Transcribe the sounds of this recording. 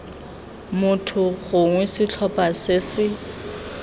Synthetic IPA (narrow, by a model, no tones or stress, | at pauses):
mʊtʰʊɣʊŋwɛsɪt͡ɬʰɔpʼasɪsɪ